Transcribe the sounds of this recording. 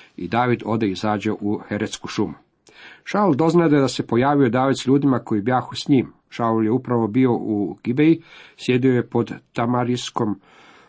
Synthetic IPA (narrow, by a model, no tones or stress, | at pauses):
ḭd̪aːʋid̪o̞d̪eizaːd͡ʑeʔuxe̞ɾet̪skuʃumu | ʃaulˠd̪o̞znaed̪ad̪ase̞po̞jaːʋio̞d̪aːʋid̪sʎuːd̪imako̞jibjaːxusɲim | ʃauljeupɾaʋo̞bio̞uɡ̥ibejisje̞d̪ioje̞po̞d̪t̪amaɾisko̞m